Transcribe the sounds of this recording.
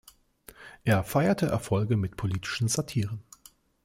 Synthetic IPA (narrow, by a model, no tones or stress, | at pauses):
ʔeːɐfaɪɐtʰəʔɛ̰ɐfɔlɡəmɪtpʰoliːtʰɪ̥ʃn̩zatʰiːʁ̞ən